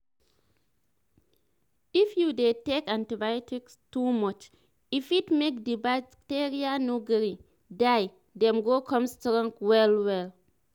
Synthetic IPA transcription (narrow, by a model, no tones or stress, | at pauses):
ifjudetekãntibajɔtikstumɔt͡ʃ | ifitmek̚diba | teɹianoɡɹi | daj | dɛ̃mɡokʰɔ̃mstɹɔ̃ŋɡwɛlwɛl